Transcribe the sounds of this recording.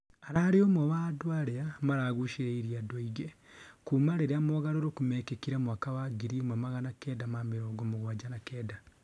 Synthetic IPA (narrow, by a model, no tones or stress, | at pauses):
aɾaɾiomwowadwaɾeamaɾaːɣuʃeeiɾiadoiɣekumaɾeɾeamoɣaɾoɾokumekekiɾamwaːkawaɡiɾiomamaɣanakeːdamamiɾoːɡomuɣwad͡ʒanakeːda